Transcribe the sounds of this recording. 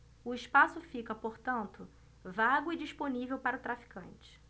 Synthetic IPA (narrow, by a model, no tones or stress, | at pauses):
ʊɪʃpasʊfikɐpoɾt̪ɐ̃nt̪ʊ | vaɡʊid͡ʒiʃponivewpaɾɐʊt̪ɾafi̥kɐ̃nt͡ʃɪ̥